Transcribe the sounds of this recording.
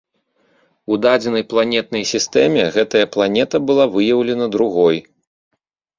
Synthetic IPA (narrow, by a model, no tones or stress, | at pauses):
ud̪ad͡zʲɛnɐjplˠanʲɛt̪̚nɐjsʲist̪ɛmʲɛɣɛt̪ɐjɐplˠanʲɛt̪ɐbɨlˠavɨjɐwlʲɛnɐd̪ɾuɣɔj